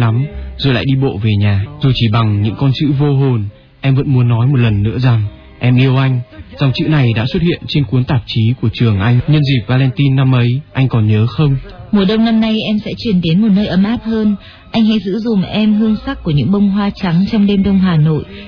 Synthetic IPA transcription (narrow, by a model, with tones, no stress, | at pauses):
a˨˦mzo˨˩la̰ː˧˨jɗi˧ɓo̰˧˨ve˨˩ɲaː˨˩zu˨˩t͡ɕi˧˩ɓa˨˩ŋɲɨ̰˧˥ŋkɔ˧nt͡ɕɨ̰˧˥vo˧ɦo˨˩n | ʔɛ˧mvə̰˧˥nmu˨˦ənːɔ˨˦jmo˨˩t̚lə˨˩nːɨ̰˧˥əza˨˩ŋ | ʔɛ˧mʔi˧əwʔa˧jŋ̟za˨˧wŋ͡mt͡ɕɨ̰˧˥na˨˩jɗa̰ː˧˥swə˦˥t̚hḭ˧˨ənt͡ɕe˧nku˨˦ənt̪aː˨˩p̚t͡ɕi˨˦ku˧˩ət͡ɕɨ˨˩əŋʔa˧jŋ̟ɲə˧nzi˨˩p̚vaː˧lɛ˧nt̪i˧nːa˧mʔə˨˦jʔa˧jŋ̟kɔ˨˩nɲəː˨˦xə˧wŋ͡mmu˨˩əɗə˧wŋ͡mna˧mna˧jʔɛ˧msɛ̰˧˥t͡ɕwi˧˩ənt̪e˨˦nmo˨˩t̚nəː˧jʔə˨˦mʔaː˦˥p̚həː˧n | ʔa˧jŋ̟ha̰˧˥jzɨ̰˧˥zʊ˨˩ŋ͡mʔɛ˧mɦɨ˧əŋsa˦˥k̚kːu˧˩əɲɨ̰˧˥ŋɓə˧wŋ͡mɦwaː˧t͡ɕa˨˦ŋt͡ɕɔ˧wŋ͡mɗe˧mɗə˧wŋ͡mɦaː˨˩no̰˧˨jʔ